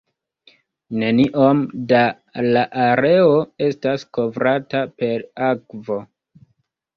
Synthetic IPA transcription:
ne̞niʔomda | laʔaɾe̞oe̞stasko̞vɾatape̞ɾakvo̞

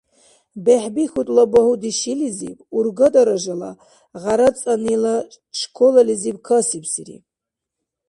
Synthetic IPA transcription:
beħbixut̪ʼlabɐhud̪iʃilizḭburɡɐd̪ʼɐɾɐʒɐla̰ | ʁaɾɐt͡sʼɐnila | ʃkʰɔlɐlizib̚kʰɐsipsiɾḭ

